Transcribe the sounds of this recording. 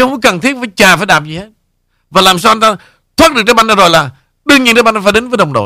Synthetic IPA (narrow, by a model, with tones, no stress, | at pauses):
hə˧wŋ͡mə˧˦kə˨˩nt̪ʰi˦˥əfaː˧˩jt͡ɕaː˨˩faː˧˦jɗaː˨˩p̚zi˨˩he˦˥t̚ | vaː˨˩laː˨˩msaː˧wa˧ŋt̪aː˧ | t̪ʰwaː˦˥t̚ɗɨ˨˩k̚t͡ɕə˧˦jɓa˧ŋzaː˧zo˨˩jlaː˨˩ | ɗɨ˧əŋɲḭ˧˨nt͡ɕə˧jɓa˧ŋʔfaː˧˩ɗe˨˦nvəː˨˦jɗə˨˩wŋ͡mɗo̰˧˨